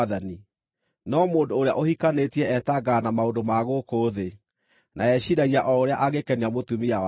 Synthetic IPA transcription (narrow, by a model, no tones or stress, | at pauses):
ðani | nɔmoːndoːɾea̰ʔohikanetiɛɛtaɡaːnamaondomaɣokoːðe | nʔaɛɕiɾaɣiaʔɔoɾeaʔaɣekɛniamotumia